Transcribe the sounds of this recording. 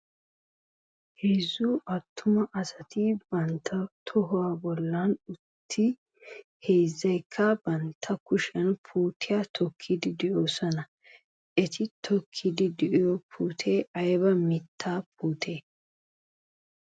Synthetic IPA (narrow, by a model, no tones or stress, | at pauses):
hejzʊʔɐt̪ʰːʊmɐʔɐsɐt̪ɪbɐnt̪ʰːɐt̪ʰɔɦʊwaːbɔlːanʊt̪ʰːɪ | hejzːɐjkʰːɐb̥ɐnt̪ʰːɐkʊʃɐnpʰuːt̪ɪjaːt̪ʰɔkʰːɪd̪ɪd̪ɛʔoːsɔnɐ | ʔɛt̪ɪt̪ʰɔkʰːɪd̪ɪd̪ɛʔɪjɔpʰuːt̪ʰeːʔɐjbɐmɪt̪ʰːaːpuːt̪ʰe̞ː